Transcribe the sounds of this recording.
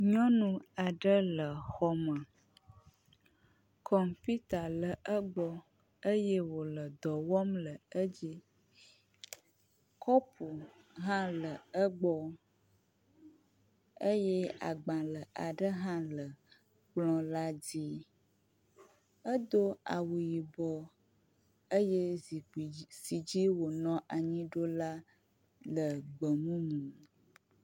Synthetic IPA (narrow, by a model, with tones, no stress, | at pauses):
ɲɔ̃˦nũ˦a˨ɖə˦lə˨xɔ˦mə˨ | kʰɔ˨mfi˦t̪a˨lə˨ʔə˦ɡ͡bɔ˦ | ə˦jɛ˦wo˨lə˨d̪ɔ˨wɔ˦mlə˨ə˦d͡ʑi˦ | kʰɔ˦pʰu˨ | ɦã˦lə˨ə˦ɡ͡bɔ˦ | ə˦je˦a̰˨ɡ͡bã˨lə˨a˨ɖə˦ɦã˦lə˨ | k͡plɔ̃˦la˦d͡zi˦ | ə˦d̪o˦a˨wu˨ji˨bɔ˨ | ə˦je˦zi˨si˨d͡ʒi˦wo˨nɔ̃˦ʔa˨ɲĩ˦ɖo˦la˦ | lə˨ɡ͡bə˨ŋũ˦mũ˨